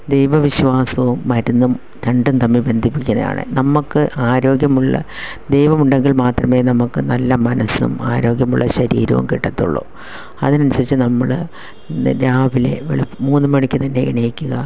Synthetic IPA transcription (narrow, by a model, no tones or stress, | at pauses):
d̪ejʋɐʋiɕʋaːsɐʋumːɐɾunːum | ɾeɳɖunt̪ɐmːibe̞nd̪ʱipːikʲːunːɐ̰ða̰ːɳɨ̰nɐmukːɨʔaːɾo̞ːɡjɐmuɭːɐ̰ | d̪e̞jʋɐmuɳɖe̞ŋɡiɭmaːt̪rɐme̞ːnɐmukːɨnɐlːɐmɐnɐsṵmaːɾo̞ːɡjɐmuɭːɐɕɐɾḭːɾɐ̰ʋṵmkiʈːɐt̪ːṵɭːo̰ː | ɐ̰ðinɐnusɐɾit͡ɕːɨnɐmːɐɭ | ɾaːʋile̞̰ʋḛɭipːmuːnːɨmɐɳikʲːɨt̪ɐnːe̞ḭɳɐjikʲːuɣɐ